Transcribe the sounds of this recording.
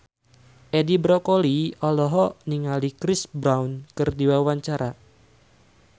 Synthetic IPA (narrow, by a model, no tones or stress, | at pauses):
ʔedibɾɔkoliɔlɔɦɔniŋalikɾɪsbɾawnkɨrdiwawaɲt͡ʃaɾa